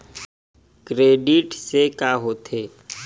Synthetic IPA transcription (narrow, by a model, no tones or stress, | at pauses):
kɾeːɖɪʈsekaɦoːt̪ʰeː